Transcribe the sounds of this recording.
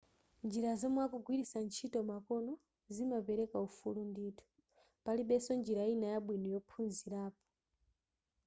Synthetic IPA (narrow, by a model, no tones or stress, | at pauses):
nd͡ʒiɾazɔmwakuɡwiɾisant͡ʃʰitɔmakɔnɔ | zimapɛɾɛkaufulunditʰu̥ | paliɓɛsɔnd͡ʒiɾainajaɓwinɔjɔpʰunziɾaːpɔ̥